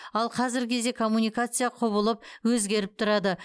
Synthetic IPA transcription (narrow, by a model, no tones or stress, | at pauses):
ɑlˠqʰɑzɪɾkʲʰe̞zd̪e̞kʰo̞mːunijkat̪sɨjaqʰoβəlˠəp̚wɵzɡʲe̞ɾɪp̚t̪ʰʊɾɑd̪ə